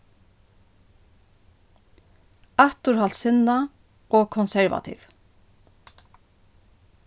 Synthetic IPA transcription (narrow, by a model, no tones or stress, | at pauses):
aht̪ʊɾhal̥t̪sɪnːa | ɔɣkʰɔnsɛɹva̰t̪ʰḭv